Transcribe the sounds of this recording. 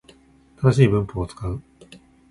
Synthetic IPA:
t̪ad̪aɕ̬iːbɯ̟̃mpoːt͡sɨ̥kaɯ̟

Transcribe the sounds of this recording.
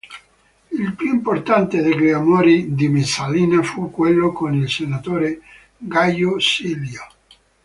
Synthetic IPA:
ilpjuimport̪ant̪ed̪eɡɾeamoːɾid̪imesaliːnafukːwelːokonilsenat̪oːɾe | ɡajosiljo

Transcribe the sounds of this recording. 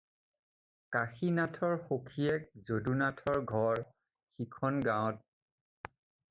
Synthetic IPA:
kaxinatʰɔɹxokʰijɛk̚zodunatʰɔɹɡʱɔɹ | xikʰɔnɡaɔ̃t̚

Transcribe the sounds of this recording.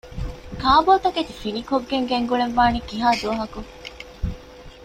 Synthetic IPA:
kaːboːt̪ɐket̪ifinikoɡːeŋɡeŋɡuɭeʋʋaːnikiɦaːd̪uʋɐɦɐku

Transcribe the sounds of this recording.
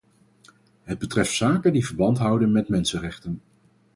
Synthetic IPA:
ɦəd̚bətrɛftsaːkəndivəɹbɑntɦʌwdənmɛtmɛnsərɛχtən

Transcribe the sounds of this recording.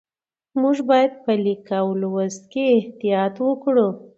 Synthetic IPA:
muʒbɑjad̪̚pəlikawəlwəst̪̚keːht̪ijɑt̪wəkɽu

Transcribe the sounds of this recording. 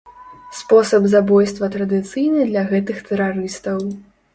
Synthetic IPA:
spɔsɐbzabɔjst̪vɐt̪ɾɐd̪ɨt̪sɨjnɨd̪lʲɐɣɛt̪ɨxt̪ɛɾaɾɨst̪ɐw

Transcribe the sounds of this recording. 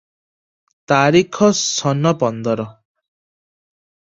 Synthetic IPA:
t̪aɾikʰɔsɔnɔpɔnd̪ɔɾɔ

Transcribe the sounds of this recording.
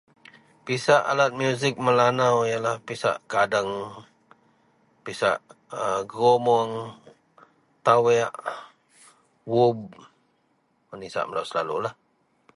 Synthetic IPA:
pisaʔa̰lat̪̚mjuzɪk̚məlanawjalahpisa̰ʔkadəŋ | pisa̰ʔəɡɾomɔŋ | t̪awɛaʔ | wub̚ | mənisa̰ʔməlawsəla̰lṵlah

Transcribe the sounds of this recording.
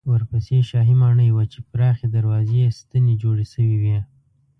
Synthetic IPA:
wəɾpəseʃɑɦimɑɳəjwat͡ʃepɾɑxed̪aɾwɑzest̪əned͡ʒoɽeʃəwiwi

